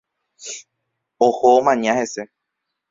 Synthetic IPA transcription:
ohoomãɲãhe̞se̞

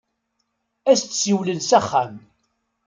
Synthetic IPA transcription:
æst̪siwlənsæχːæm

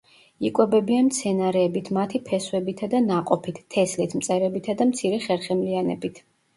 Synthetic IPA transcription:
ikʼwɛbɛbianmt̪sʰɛnaɾɛːbit̪ʰmat̪ʰipʰɛswɛbit̪ʰad̪anaqʼɔpʰit̪ʰːɛslit̪ʰmt̪sʼɛɾɛbit̪ʰad̪amt̪sʰiɾɛχɛɾχɛmlianɛ̰bit̪ʰ

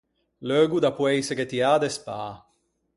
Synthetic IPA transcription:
løːɡud̪apwɛjseɡet̪iaːd̪ɛspaː

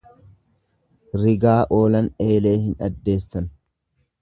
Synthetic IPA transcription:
ɾɪɡaːʔo̞ːlɐne̞ːle̞ːhɪnɐ̰d̪ːe̞ːsːɐn

